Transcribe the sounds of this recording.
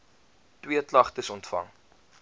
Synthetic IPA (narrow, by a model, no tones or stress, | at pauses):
twiəklɐχtəsɔntfɐ̰ŋ